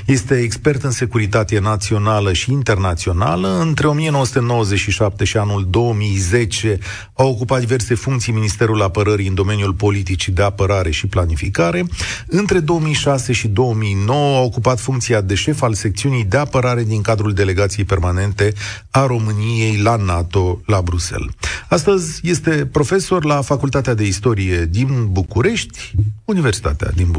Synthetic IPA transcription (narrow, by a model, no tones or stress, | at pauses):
je̞st̪e̞ːkspe̞rt̪ɨnse̞kuɾit̪at̪e̞nat̪sio̞naləʃiːnt̪e̞rnat̪sio̞na̰ləɨnt̪ɾe̞o̞mije̞nowəsut̪e̞no̞wəzet͡ʃʃiʃap̚t̪e̞ʃianuld̪o̞əmijze̞t͡ʃe̞ | awokupat̪d̪ive̞rse̞fuŋkt̪sijminist̪e̞ɾulapəɾəɾiɨnd̪o̞me̞njulpo̞lit̪it͡ʃid̪e̞apəɾaɾe̞ʃiplanifikaɾe̞ɨnt̪ɾe̞d̪o̞womijʃase̞ʃid̪o̞əmijno̞wəaokupat̪fuŋkt̪sijad̪e̞ʃe̞false̞k̚t̪siunijd̪e̞apəɾaɾe̞d̪iŋkad̪ɾuld̪e̞le̞ɡat̪sije̞jpe̞rmane̞nt̪e̞ | aɾo̞mɨnije̞jlanat̪o̞labɾuse̞̰last̪əzʲje̞st̪e̞pɾo̞fe̞so̞rlafakult̪at̪ead̪e̞ist̪o̞ɾije̞d̪inbukuɾe̞ʃt̪ʲunive̞rsi̥t̪a̰t̪ea̰d̪in